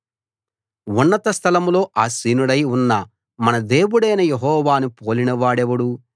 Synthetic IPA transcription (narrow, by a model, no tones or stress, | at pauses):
unːɐt̪ɐst̪ʰɐlɐmlo̞ːʔaːsiːnuɽɐjunːɐ | mɐnɐd̪eːwuɽɐjnɐjeɦɔːʋaːnupoːlinɐʋaːɽɛʋɐɽu